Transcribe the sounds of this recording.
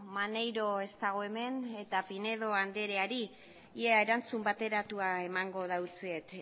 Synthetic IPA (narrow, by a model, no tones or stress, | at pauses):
mane̞jɾo̞e̞st̪aɣ̞o̞e̞me̞ne̞t̪apine̞ð̞o̞and̪e̞ɾeaɾi | ieaeɾant͡sumbat̪e̞ɾat̪uae̞maŋɡo̞ð̞awt͡siet̪